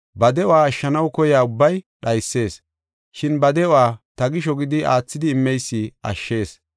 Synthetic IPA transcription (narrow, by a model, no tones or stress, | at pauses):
bɐd̪ɛɔaːʃːɐnɐwkɔjaːʊbːɐjɗɐjsːe̞ːs | ʃɪnbɐd̪ɛɔaːt̪ɐɡɪʃɔɡɪd̪ɪʔaːt͡sːɪd̪ɪːmːɛjsːɪʔɐ̰ʃːe̞ːs